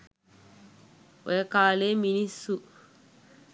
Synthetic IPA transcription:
wɛkaːleminĩsu

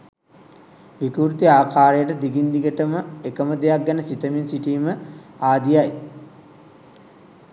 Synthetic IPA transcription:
ʋikuɾt̪iaːkaːɾejəʈəd̪iɡind̪iɡəʈəməekəməd̪ejak̚ɡænəsit̪əminsiʈiːməaːd̪ijaj

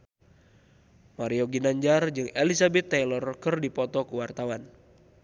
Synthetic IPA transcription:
maɾiɔɡinaɲd͡ʒard͡ʒɨŋelisabɛt̪ːajlɔrkərdipɔt̪ɔkuwart̪awan

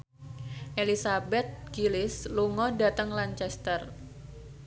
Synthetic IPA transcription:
ʔelisabɛt̪̚ɡilɪsluŋɔda̤t̪əŋlaɲt͡ʃɛst̪ər

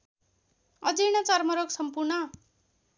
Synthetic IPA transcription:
ʌd͡ziñʌt͡sʌrmʌɾoksʌmpurnʌ

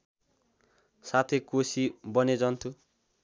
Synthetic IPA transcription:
sat̪ʰekosibʌned͡zʌnt̪ʰu

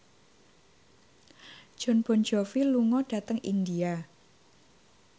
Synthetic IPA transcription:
ʒ̥ɔ̤nb̥ɔ̤nd͡ʒɔfiluŋɔɖ̥a̤t̪əŋḭndia

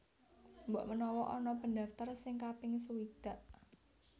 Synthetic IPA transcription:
mbɔ̰ʔmənɔwɔʔɔnɔpənd̪aft̪ərsɪŋkapɪŋsəwid̪̥a̤ʔ

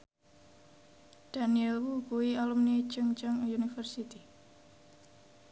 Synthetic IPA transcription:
d̥aniəlwukuwialumni̥t͡ʃəŋt͡ʃəŋunifərsit̪i

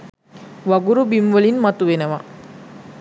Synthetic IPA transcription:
ʋɐɡuɾubimʋɐlinmɐt̪uʋenəʋa

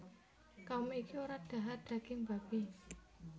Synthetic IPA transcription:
kameikioɾad̪̥a̤ɦad̪̥ä̤ɡ̥ɪŋba̤b̥i

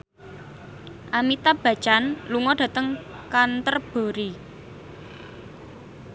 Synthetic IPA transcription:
ʔamit̪ab̥ä̤̥t͡ʃanluŋɔɖ̥ä̤t̪əŋkant̪ərb̥o̤ɾi

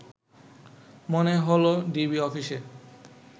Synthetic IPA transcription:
moneɦoloɖibiɔfiʃe

